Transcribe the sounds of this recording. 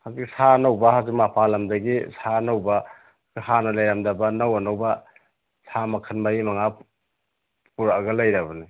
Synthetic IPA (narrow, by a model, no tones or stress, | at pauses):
haziksanawbɐhazikmapʰalɐmdɐɡisanawbɐ | hanɐlajɾamdɐbɐnawɐnawbɐ | samɐkʰɐnmajimaŋa | puɾaɡɐlajɾɐbɐni